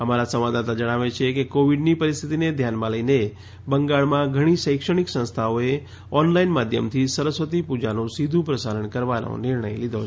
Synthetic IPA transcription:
əmaɾasə̃ʋʋad̪at̪ad͡ʒəɽ̃aʋet͡ʃʰekekoʋiɖnipəɾist̪ʰit̪ined̪ʱjanmãləjne | bəŋɡaɭmãɡʱəɽ̃iʃəjkʂəɽ̃iksə̃nst̪ʰaoe | ɔnlainmad̪ʱjəmt̪ʰisəɾəsʋət̪ipud͡ʒanõsid̪ʱũpɾəsaɾəɳkəɾʋano̰nɪɾɳəjlid̪ʱo

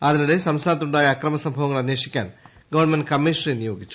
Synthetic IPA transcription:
ɐðinuɽe̞sɐmst̪ʰaːnɐt̪ːuɳɖaːjɐːkrɐmɐsɐmbʱɐʋɐŋːɐɭɐnjeːʂikʲːa̰ːn | ɡɐʋɐrɳmɐnɖkɐmːiːʂrinijo̞ːɡʱit͡ɕːu̥

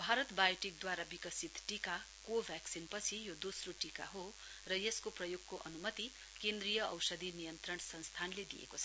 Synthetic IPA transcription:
bʱaɾʌt̪bajʈik̚d̪waɾabikʌsit̪ʈika | kobʱjaksinpʌt͡sʰijod̪osroʈika̰ɦo | rʌjeskoprʌjoɡ̚koʔʌnumʌt̪i | kend̪rijʌʌwsʌd̪ʱinijʌnt̪rʌnsʌ̃nst̪ʰanled̪ijḛkot͡sʰʌ

